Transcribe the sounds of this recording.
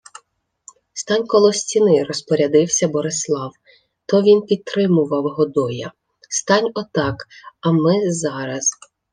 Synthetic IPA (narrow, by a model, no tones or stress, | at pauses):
st̪ɑnʲkɔlˠɔsʲtʲinɪɾɔspɔɾʲɐd̪ɪwsʲɐbɔɾɪslˠɑw | t̪ɔʋʲinpʲid̪̚t̪ɾɪmʊʋɐwɦɔd̪ɔjɐ̰ | st̪ɑnʲɔt̪ɑkɐmɪzɑɾɐz̥